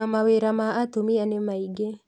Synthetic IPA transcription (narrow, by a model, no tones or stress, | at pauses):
amaweɾamaatumianemaiɡe